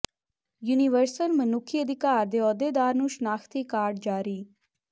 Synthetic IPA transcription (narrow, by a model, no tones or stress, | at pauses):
juːnɪʋəɾsəlmənʊkʰːiːəd̪ɪkaːɾd̪eːɔːd̪eːd̪aːɾnũːʃənaːxʰt̪iːkaːɾɖ̚d͡ʒaːɾiː